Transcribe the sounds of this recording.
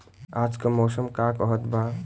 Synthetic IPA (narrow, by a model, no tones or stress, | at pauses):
aːd͡ʒkamoːsəmkaːkɔɦət̪baː